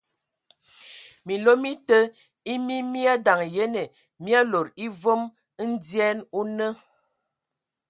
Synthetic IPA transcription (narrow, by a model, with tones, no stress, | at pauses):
mi˨lo˦mi˦tə˦ | i˦mi˦mi˦a˦da˨ŋje˦ne˨ | mi˦a˦lo˨ɾi˦vo˦m˦ | n̩˦d͡zjɛ˦nu˦nə˦